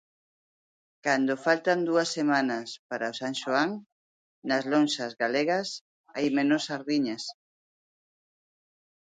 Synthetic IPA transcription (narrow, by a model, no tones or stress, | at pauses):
kand̪ofalt̪and̪uɐsːemanɐspaɾaosaŋʃoaŋ | nɐzlonʃazɣaleɣɐs | ajmẽnʊsaɾðiɲas